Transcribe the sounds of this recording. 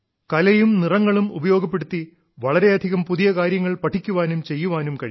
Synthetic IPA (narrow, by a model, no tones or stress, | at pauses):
kɐlɐjumnirɐŋːɐɭumubɐjo̞ːɡɐp̬ːe̞ɽut̪ːi | ʋɐɭɐɾe̞ɐd̪ʱiɣɐmpuðijɐkaːɾjɐŋːɐɭpɐʈʰːikʲːuʋaːnumt͡ɕe̞jːuʋaːnumkɐɻi